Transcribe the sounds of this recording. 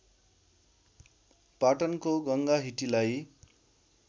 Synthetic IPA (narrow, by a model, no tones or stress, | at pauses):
paʈʌnkoɡʌŋɡaɦiʈilaj